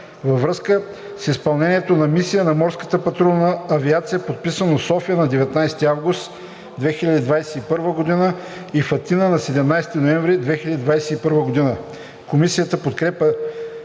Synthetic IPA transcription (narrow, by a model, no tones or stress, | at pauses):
vɐvɾɤskə | sispɐlˠnɛniɛt̪onɐmisijənɐmɔɾskə̥t̪əpɐt̪ɾɔnəːviat̪sijəpot̪̚pisənosɔfijənɐd̪ɛvɛt̪najst̪iavɡʊst̪ | d̪vɛxiʎʲɐd̪id̪vajsɛipɤɾvəɡod̪inə | ifɐt̪inənɐsɛd̪ɛmnajst̪inoɛ̃vɾid̪vɛxilɐd̪id̪vajsɛipɤɾvəɡod̪inə | komisijət̪əpot̪kɾɛpə